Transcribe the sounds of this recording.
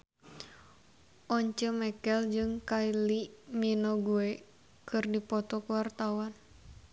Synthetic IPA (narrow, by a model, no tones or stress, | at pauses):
ʔɔɲt͡ʃəmɛkɛld͡ʒɨŋkailiminoɡuɛ | kɨrdipɔt̪ɔkuwart̪awan